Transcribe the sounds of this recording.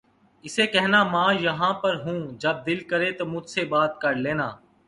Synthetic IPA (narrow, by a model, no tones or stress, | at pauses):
ɪseːkɛɦnaːmãːjəɦãːpəɾɦũːd͡ʒəb̚d̪ɪlkəɾeːt̪oːmʊd͡ʒsebaːt̪̚kəɾleːnaː